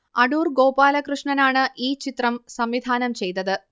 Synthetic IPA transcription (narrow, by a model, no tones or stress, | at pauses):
ɐɽuːrɡo̞ːpaːlɐkrɨʂɳɐnaːɳɨʔiːt͡ɕit̪rɐmsɐmʋid̪ʱaːnɐmt͡ɕe̞jt̪ːɐðɨ